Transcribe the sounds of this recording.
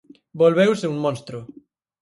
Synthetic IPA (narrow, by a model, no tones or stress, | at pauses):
bolβewseuŋmõnst̪ɾʊ